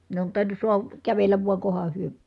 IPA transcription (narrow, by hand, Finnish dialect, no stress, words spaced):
ne on tɑˑinˑus suɑhɑ kæʋelːæʋ ʋuɑ kohɑ hyø